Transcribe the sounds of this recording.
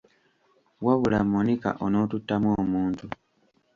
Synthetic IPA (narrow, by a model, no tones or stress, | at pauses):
waβulamːonika̰ʔono̞ːtutːamwoːmuːntu